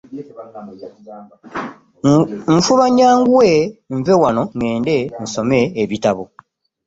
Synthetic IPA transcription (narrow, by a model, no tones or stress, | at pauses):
ɱfuβaɲaːŋɡuweɱvewano̞ŋeːnden̩so̞me̞ːβitaβo